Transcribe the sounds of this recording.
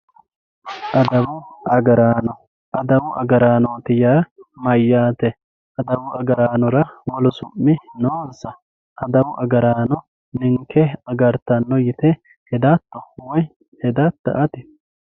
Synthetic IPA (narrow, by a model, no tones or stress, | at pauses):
ʔɐd̪ɐwʊɐɡɐɾaːnɔ | ɐd̪ɐwʊʔɐɡɐɾaːnot̪ɪjaːmɐjːaːt̪ɛ | ʔɐd̪ɐwʊʔɐɡɐɾaːnɔɾɐwɔlɔsʊ̰mːɪnoːnsɐ | ʔɐd̪ɐwʊʔɐɡɐɾaːnɔ | nɪŋkʰːɛɐɡɐɾt̪ɐnːɔjɪt̪ɛ | hɛd̪at̪ːɔwɔj | hɛd̪ɐt̪ːɐ̰ʔɐt̪ɪ